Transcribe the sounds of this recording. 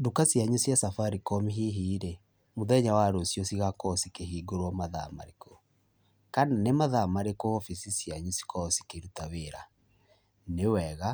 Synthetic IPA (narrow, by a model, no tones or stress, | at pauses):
dukasjaɲusjasafaɾikɔmiɦiɦiːɾe | moðɛɲawaɾosjɔsiɣakɔsikeɦiːɡoɾwɔmaða̰ma̰ɾeko | kananemaðamaɾekoɔfisisiaɲusi̥kɔsi̥keɾutaweɾa | newɛɣa